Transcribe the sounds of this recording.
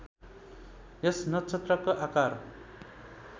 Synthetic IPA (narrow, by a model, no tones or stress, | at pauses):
jʌsnʌt͡sʰʌt̪rʌkoʔakar